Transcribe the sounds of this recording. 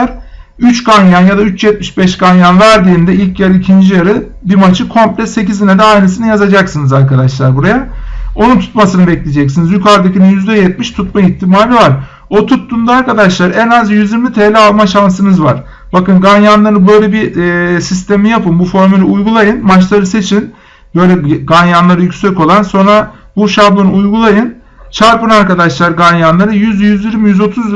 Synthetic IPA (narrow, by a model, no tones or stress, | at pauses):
ɾ | yt͡ʃɡanjanjad̪ayt͡ʃjɛt̪̚miʃbɛʃɡanjanvæɾd̪iːnd̪ɛilʲcjɛlʲicʰind͡ʒijaɾɯ | bimat͡ʃʰɯkʰo̞mplʲɛse̞cizinɛd̪ɛajnɯs̬inɯjazad͡ʒaksɯnɯzaɾkad̪aʃlˠaɾbuɾajao̞nunt̪ʰu̥t̪̚masɯnɯbɛclʲed͡ʒɛcsinizjykʰaɾd̪acʰinjyzd̪ɛjɛt̪̚miʃt̪ʰut̪maiçt̪ʰːimaːlʲivaɾ | o̞t̪ʰut̪ːund̪aaɾkad̪aʃlˠaɾɛnazjyziɾmit̪ʰelʲɛalˠmaʃans̬ɯnɯzvaɾ̥ | bakɯnɡanjanlˠaɾɯbø̞jlʲɛbisist̪ʰemijapɯnbufo̞ɾmylʲiujɡulˠajɯnmat͡ʃlˠaɾɯse̞t͡ʃʰin | bø̞jlʲɛɡanjanlˠaɾɯjycʲsɛco̞lˠanso̞nɾa | buʃabonɯujɡulˠajɯn | t͡ʃʰaɾpɯnaɾkad̪aʃlˠaɾɡanjanlˠaɾɯjyzjyzjiɾmijyzo̞t̪ʰuz